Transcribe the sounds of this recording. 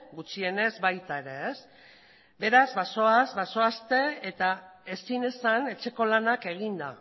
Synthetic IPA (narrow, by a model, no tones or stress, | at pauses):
ɡut͡ʃie̞ne̞zbajt̪ae̞ɾe̞es | be̞ɾazβasoazbaso̞ast̪e̞et̪ae̞sine̞sane̞t͡ʃe̞ko̞lanake̞ɣ̞ind̪a